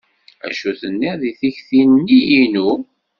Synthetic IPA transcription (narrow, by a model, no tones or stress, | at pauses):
æ̰ʃuθənːiʁðiθiçθinənːijinu